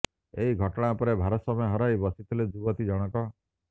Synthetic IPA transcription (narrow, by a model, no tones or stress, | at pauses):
eɦiɡʱɔʈɔɽ̃apɔɾebʱaɾɔsɔmɔjɔɦɔɾajbɔsit̪ʰiled͡ʒuɡɔt̪id͡ʒɔɽ̃ɔkɔ